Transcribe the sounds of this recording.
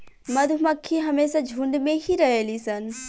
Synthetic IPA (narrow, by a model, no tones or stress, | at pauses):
mɐd̪ʱumɐkʰːiɦɐmeːsad͡ʒʱuɳɖmẽɦiɾɐɦeːlisɐn